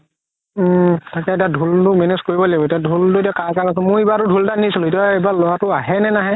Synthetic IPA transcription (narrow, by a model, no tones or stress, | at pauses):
takɛetiadʱultʊmeneskoɹibɔlbɔetiadʱultʊetiɔkakakasɛmʊ̃ibatʊdʱultanisilʊitɔebalɔjatʊaɦɛnɛnaɦɛ